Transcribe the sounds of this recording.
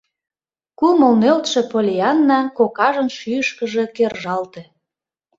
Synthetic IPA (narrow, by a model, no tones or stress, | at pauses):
kuməlnølt̪ʃĕpolʲiɑnːɑkokɑʒənʃyəʃkəʒe̽kerʒɑlt̪ĕ